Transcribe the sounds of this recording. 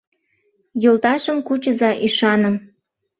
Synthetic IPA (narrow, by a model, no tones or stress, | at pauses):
jolt̪ɑʃə̆mkut͡ɕəzɑʔiʃɑnə̆m